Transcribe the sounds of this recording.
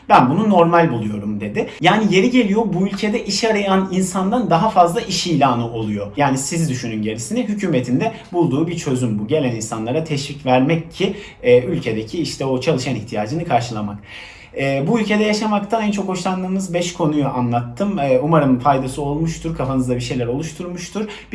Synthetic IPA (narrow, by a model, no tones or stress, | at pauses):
bænbununo̞ɾmalʲbulˠujo̞ɾumd̪e̞d̪ɪjaːnije̞ɾiɟe̞lʲijo̞buylʲcʰe̞d̪ɛʔiʃaɾajaninsand̪and̪aɦafazlˠaʔiʃijlʲaːnɯʔo̞lˠujo̞jaːnisizd̪yʃynynɟe̞ɾisinɛɦycʰyːme̞t̪ʰind̪ɛbulˠd̪uːbiɾt͡ʃʰø̞zymbuɟe̞lʲæninsanlˠaɾat̪ʰɛʃvicvæɾmɛcʰːiː | ylʲcʰe̞d̪ecʰiiʃt̪ʰɛo̞t͡ʃʰalˠɯʃaniçt̪ʰijaːd͡ʒɯnɯkʰaɾʃɯlˠamak | ɛːbuylʲcʰe̞d̪ɛjaʃamakt̪ʰanænt͡ʃʰo̞kho̞ʃlˠand̪ɯːmɯzbɛʃkʰo̞nujuʔanlˠat̪ʰːɯmɛːumaɾɯmfajd̪asɯo̞lˠmuʃt̪ʰuɾkʰafanɯzd̪abiʃ̬e̞jlʲæɾo̞lˠuʃt̪ʰuɾmuʃt̪ʰuɾ | b